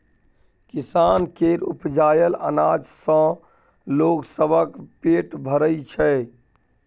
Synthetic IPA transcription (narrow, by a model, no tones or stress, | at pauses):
kisankeɾṵpd͡ʒajələ̰nad͡ʒsə̃ | loksəbʱəkpeʈbʱəɾəjt͡ʃʰɛ